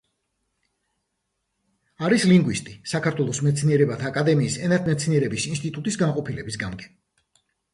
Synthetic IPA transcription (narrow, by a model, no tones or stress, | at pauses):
aɾisliŋɡwist̪ʼisakʰaɾt̪ʰwɛlˠɔsmɛt̪sʰniɛɾɛbat̪ʰaːkʼad̪ɛmiːsɛnaɾt̪ʰmɛt̪sʰniɛɾɛbisinst̪ʼit̪ʼut̪ʼisɡanqʼɔpʰilɛbis̬ɡamɡɛ